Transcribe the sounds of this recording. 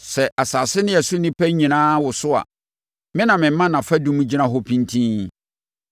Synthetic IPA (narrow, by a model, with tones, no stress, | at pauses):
sɛ˨ʔa˨saː˨sɪ˦nɪ̃˦jɛ˨sʊ˦nĩ˦pʰæ˦ɲĩ˨nãː˦wʊ˨sʊ˦a̰˨ | mɪ̃˦nã˨mɪ̃˨m̩˦mã˦nã˨fɛ˦dũ˦mũ˦d͡ʑi˦nã˦ɦɔ˦pʰĩ˦ntʰĩ˦n